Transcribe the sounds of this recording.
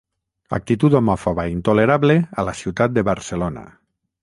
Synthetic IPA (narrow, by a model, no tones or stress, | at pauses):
a̰k̚t̪it̪ut̪omɔfoβaint̪oleɾaβlealasiwt̪at̪̚d̪eβaɾselona̰